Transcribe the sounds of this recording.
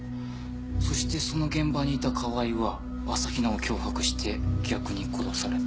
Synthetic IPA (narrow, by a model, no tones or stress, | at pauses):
so̞ɕi̥t̪e̞so̞no̞ɡẽ̞mbaɲ̟iːt̪akʰaβaiβa | βasaçʲinaokʲo̞ːhakɯ̟̥ɕi̥t̪ʰe̞ɡ̥ʲakɯ̟ɲ̟ikʰo̞ɾo̞saɾe̞t̪